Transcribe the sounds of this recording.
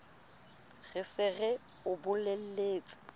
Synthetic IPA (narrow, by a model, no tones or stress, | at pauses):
ɣ̥ɪsɪɣɛ | ʊbʊlel̩leːt͡sʼɪ̥